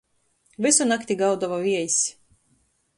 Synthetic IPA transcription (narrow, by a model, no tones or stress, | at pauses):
vɨsunakt̪ʲiɡawd̪ɔvavʲiɛjsʲ